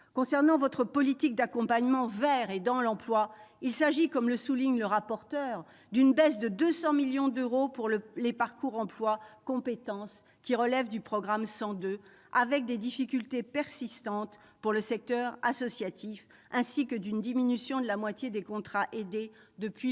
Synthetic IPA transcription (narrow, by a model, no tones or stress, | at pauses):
kɔ̃sɛʁnɑ̃vɔt̪χəpɔlit̪ik̚d̪akɔ̃paɲmɑ̃vɛʁed̪ɑ̃lɑ̃plwailsaʒikɔmləsuliɲləʁapɔʁt̪œʁ | d̪ynbɛsd̪əd̪øsɑ̃miljɔ̃d̪øʁopuʁləlepaʁkuʁɑ̃plwakɔ̃pet̪ɑ̃s | kʲiʁəlɛvd̪ypχɔɡʁamsɑ̃d̪ø | avɛk̚d̪ed̪ifikʲylt̪epɛʁsist̪ɑ̃t̪ | puʁləsɛk̚t̪œʁa̰sɔsjat̪ʰif | ɛ̃sikəd̪ynd̪iminysjɔ̃d̪əlamwat̪jed̪ekɔ̃t̪χaʔed̪ed̪əpɥi